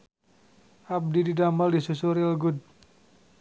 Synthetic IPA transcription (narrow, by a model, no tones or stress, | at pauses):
ʔab̚dididamaldisusuɾilɡud̚